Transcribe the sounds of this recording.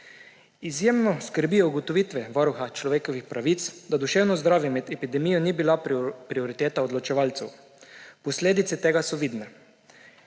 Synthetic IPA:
izjeːmnɔskəɾbiuɡot̪ɔʋiːt̪ʋɛʋɔɾuxat͡ʃlɔʋeːkɔʋixpɾaʋiːt̪sd̪ad̪uʃeːwnɔzd̪ɾaːʋjɛmɛd̪ɛpid̪ɛmijɔnibilapɾioɾit̪eːt̪aod̪lɔt͡ʃɛʋalt̪sɛw | pɔsleːd̪it̪sɛt̪eːɡasɔʋiːd̪nɛ

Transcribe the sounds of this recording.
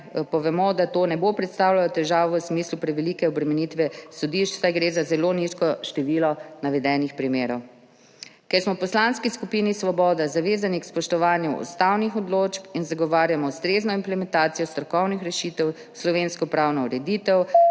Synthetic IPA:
pɔʋɛmɔd̪at̪oːnɛbopɾɛt̪st̪awlalɔt̪ɛʒaːʋɔwsmiːslupɾɛʋɛliːkɛɔbɾɛmɛnit̪ʋɛsɔd̪iʃt͡ʃsajɡɾeːzazɛloniʃkɔʃt̪ɛʋilɔnaʋɛd̪ɛːnixpɾimeːɾɔw | kɛɾsmɔpɔslanskiskupinisʋɔbɔːd̪azaʋeːzanikspɔʃt̪ɔʋaːnjuʔṵst̪awnixɔd̪loːt͡ʃpinzaɡɔʋaːɾjamɔwst̪ɾeznɔimplɛmɛnt̪aːt̪sijɔst̪ɾɔkɔwnixɾɛʃiːt̪ɛw | slɔʋenskɔpɾawnɔuɾɛd̪it̪ɛw

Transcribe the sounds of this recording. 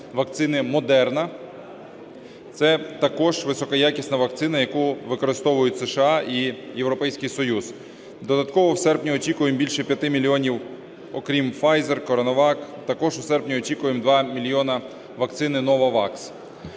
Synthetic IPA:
ʋɐk̚t̪sɪnɪmɔd̪ɛrnɐ | t̪sɛt̪ɐkɔʒʋɪsɔkɐjakʲisʲnɐʋɐk̚t̪sɪnɐjɐkuʋɪkɔɾɪst̪ɔʋʊjʊtʲseʃeɑʔijewɾɔpɛjsʲkɪjsɔjuz̥ | d̪ɔd̪ɐt̪̚kɔʋɔwsɛrpnʲiɔt͡ʃʲikʊjembʲilʲʃɛpʲjɐt̪ɪmʲilʲiɔnʲiw | ɔkɾʲimfɑjzerkɔɾɐnɔʋɑkt̪ɐkɔʒwsɛrpnʲiɔt͡ʃʲikʊjemd̪ʋɑmʲilʲjɔnɐ | ʋɐk̚t̪sɪnɪnɔʋɐʋɑks

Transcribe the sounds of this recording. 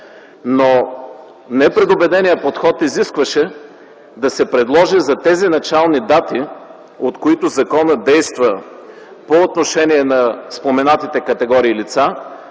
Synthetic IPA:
no | nɛpɾɛd̪obɛd̪ɛnijəpot̪xɔt̪iziskvɐʃɛ | d̪ɐsɛpɾɛd̪lˠɔʒizɐt̪ɛzinɐt͡ʃalˠnid̪at̪i | ot̪koit̪ʊzɐkɔnəd̪ɛjst̪və | poːt̪noʃɛniɛnɐspomɛnat̪it̪ɛkɐt̪ɛɡɔɾiːlit̪sa

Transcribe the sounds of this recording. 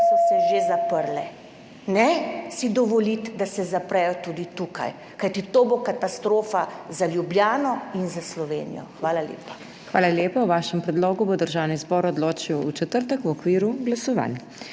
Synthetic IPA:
sɔsɛʒezapəɾlɛ | nɛsid̪ɔʋɔlit̪d̪asɛzapɾɛjɔt̪ud̪it̪uka̰j | kajt̪it̪oːbokat̪ast̪ɾoːfazaljubljaːnɔinzaslɔʋḛːnḭjɔ̰xʋaːlaljḛpḁ | xʋaːlaljeːpawʋaːʃɛmpɾɛd̪loːɡubɔd̪əɾʒawnizbɔːɾɔd̪loːt͡ʃiwut͡ʃɛt̪əɾt̪əkuɔkʋiːɾuɡlasɔʋa̰n

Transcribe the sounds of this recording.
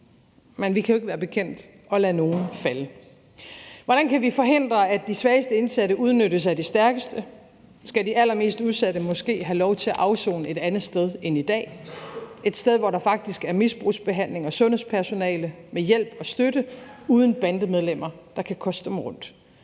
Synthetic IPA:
menʋikʰæjoe̝ɡ̥əʋæːɐb̥e̝kʰen̰d̥ | ɒ̽læno̝ːn̩fælə | ʋɒɾ̥ænkʰæʋifɒ̽ɦe̝n̰d̥ʁɐæd̥isʋæːəsd̥əe̝nsæɾəʔuð̞ˠnøɾəs̬æd̥isd̥æɐɡ̥əsd̥ə | sɡ̥ædiʔælɐme̝̰ːsd̥uð̞ˠsæɾəmɒ̽sɡ̥e̝̰ːɦælɒʊt͡sʰe̝læʔɑ̈ʊso̰ːnəe̝d̥ænð̩ˠsd̥eð̞ˠe̝nid̥ɛ̰ː | e̝d̥sd̥eð̞ˠʋɒɾɑ̈fɑ̈ɡ̥̚d̥isɡ̥æɐmisb̥ʁṵːsb̥e̝ɦæn̰le̝ŋɒsɔ̽nhḛspʰæɐso̝nɛ̰ːlə | mejel̰b̥ɒ̽sd̥øɾəuːð̞ˠn̩b̥ænd̥əmeð̞ˠlem̰ɐd̥ɑ̈kʰækʰɒ̽sd̥emʁɔ̽n̰d̥

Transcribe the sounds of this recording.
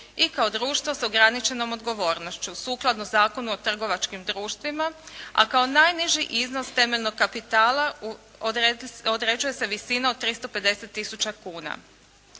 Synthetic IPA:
ikao̞d̪ɾuːʃt̪ʋo̞soɡɾanit͡ʃe̞no̞mo̞d̪ɡo̞ʋo̞ːɾnoʃt͡ɕusuːklˠad̪nozaːko̞nuot̪r̩ɡo̞ʋat͡ʃkimd̪ɾuːʃt̪ʋimaa̰kao̞najniʒiʔizno̞st̪e̞me̞ʎnoɡ̚kapit̪aːlˠa | od̪ɾe̞d͡ʒuje̞se̞ʋisinaod̪̚t̪ːɾist̪o̞pe̞d̪e̞set̪ːisut͡ɕakuːna̰

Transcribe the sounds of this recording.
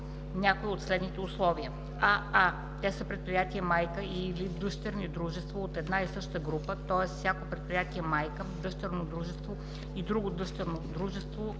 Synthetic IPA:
nʲakoiot̪slɛd̪nit̪ɛuslˠɔviə | aa | t̪ɛsəpɾɛt̪̚pɾijat̪iəmajkəilid̪ɤʃt̪ɛɾnid̪ɾuʒɛst̪voːt̪ɛd̪naisɤʃt̪əɡɾupət̪ɔɛsfsʲjakopɾɛt̪̚pɾijat̪iɛmajkəd̪ɤʃt̪əɾnod̪ɾuʒɛst̪vo | id̪ɾuɡod̪ɤʃt̪ɛɾnod̪ɾuʒɛst̪vo

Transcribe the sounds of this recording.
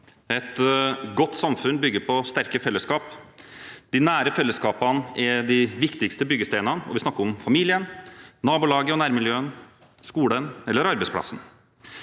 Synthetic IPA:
ɛt̪ɡɔt̪ːsɑmfʉnbʏɡːəɾpʰɔst̪æɾkəfɛlːəskɑːp | d̪̥ɪnæːɾəfɛlːəskɑːpɑnɛd̪ɪʋɪkt̪ɪkst̪əbʏɡəst̪eːɪnɑnɔ̰ʋɪsnɑkːəɾɔmfɑmiːlɪənnɑːbʊlɑːɡəɔnæːɾmɪljøːən | skuːɽənɛlːəɾɑɾbɛɪspʰlɑ̰sn̩

